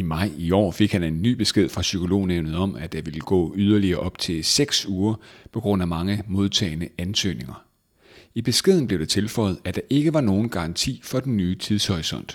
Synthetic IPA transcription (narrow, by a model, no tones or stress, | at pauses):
imɑ̈ɪ̰iɒ̰ːfe̝ɡ̥hæne̝nːy̰ːb̥e̝sɡ̥e̝ð̞̰ˠfʁɑ̈sykʰo̝lo̝̰ːneʊnð̩ˠɒ̽mæ̥ɑ̈ʋe̝ləɡ̥ɔ̰ːyð̞ˠɐliɐːʔɒ̽b̥̚t͡sʰe̝seɡ̥suːɐpʰɒ̽ɡ̥ʁɔ̽n̰æmɑ̈ŋəmo̝ð̞ˠt͡sʰɛ̰ːɪnəænsø̰ːne̝ŋɐ | ib̥e̝sɡ̥e̝ðˠn̩b̥leʊ̥ɑ̈t͡sʰe̝lfɒ̽ɪð̞̩ˠæd̥ɑ̈ʔe̝ɡ̥əʋɑ̈no̝ːn̩ɡ̥ɑ̈ɑ̈nt͡sʰḭːfɒ̽d̥enːyːt͡sʰiðˠshɒʁisɒ̽n̰d̥